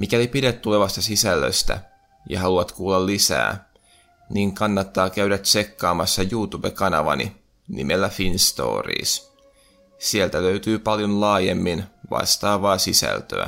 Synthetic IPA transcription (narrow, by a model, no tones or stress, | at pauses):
mikælipiɾet̪ːuleʋɑst̪ɑsisælːø̰st̪æ̰ | jɑ̰ɦɑluɑt̪kuːlːɑlːisæ̰ː | niːŋkɑnːɑt̪ːɑːkæɥɾæt̪se̞kːɑːmɑsːɑjuːt̪ube̞kɑnɑʋɑ̰nḭ | nḭmelːæfinst̪o̞̰ːrḭːs | sielt̪æløyt̪yːpɑljonlɑːjemːinʋɑ̰st̪ɑːʋɑːsisæ̰lt̪ø̰æ̰